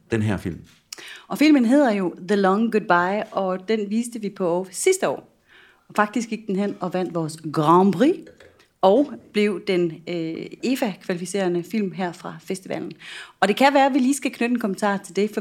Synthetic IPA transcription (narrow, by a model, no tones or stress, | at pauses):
d̥enɦɛɐ̰fil̰m | ɒ̽fil̰mənɦe̝ð̰ˠɐjo̝ðəlɒŋɡud̥̚b̥ɑ̈ɪɒ̽d̥enʋiːsd̥əʋipʰɒ̽sisd̥əɒ̰ː | ɒfɑ̈ɡ̥̚d̥isɡ̥iɡ̥̚d̥enɦen̰ɒ̽ʋæn̰d̥ʋɒːsɡ̥ʁɑmb̥ʁi | ɒʊb̥le̝ʊ̰d̥en | e̝fækʰʋælifise̝̰ːɐnəfil̰mɦæɐ̰fʁɑ̈fesd̥iʋɛ̰ːln̩ɒ̽d̥e̝kʰæʋæːɐʋiliːsɡ̥ækʰnød̥əe̝nkʰo̽mən̩t͡sʰɑ̰̈ːt͡sʰe̝ld̥e̝fɒ